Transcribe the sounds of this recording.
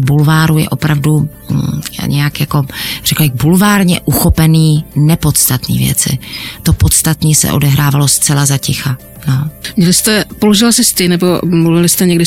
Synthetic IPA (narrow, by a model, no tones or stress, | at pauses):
bulvaːɾujɛ̰ʔo̞pɾavdu | ja̰ːɲɛjakjako̞r̥ɛklbɪxbulvaːɾɲɛʔuxo̞pɛniːnɛpo̞t̪st̪at̪nḭːvjɛ̰t͡sɪ̰t̪opo̞t̪st̪at̪niːsɛ̰ʔo̞dɛɦɾaːvalo̞st̪t͡sɛlazacɪxa | nomɲɛlɪst̪ɛpoloʒɪlasɪst̪ɪnɛbomluvɪlɪst̪ɛɲɛɡdɪ